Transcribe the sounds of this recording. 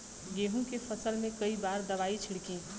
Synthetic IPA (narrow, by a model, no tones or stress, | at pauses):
ɡeːɦũkefʰəsəlmẽkɐibaːɾd̪ɐʋaːit͡ʃʰɪɽkĩ